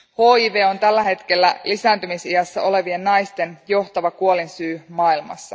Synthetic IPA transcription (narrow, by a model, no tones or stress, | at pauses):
ho̞ːiːʋe̞ːo̞nt̪ælːæɦe̞t̪k̟e̞lːæ̰lisæːnt̪ymisijɑsːɑʔo̞le̞ʋie̞nːɑjst̪e̞njo̞ht̪ɑʋɑkuo̞linsyːmɑːilmɑ̰sːɑ